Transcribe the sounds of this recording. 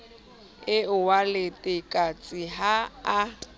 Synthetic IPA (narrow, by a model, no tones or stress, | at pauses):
ɪʊwalɪtʼɪkʼat͡sʼɪɦaː